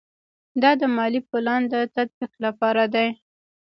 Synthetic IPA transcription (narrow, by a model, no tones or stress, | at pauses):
d̪ɑd̪əmɑlipʊland̪ət̪ad̪̚biqlapɑɾad̪aj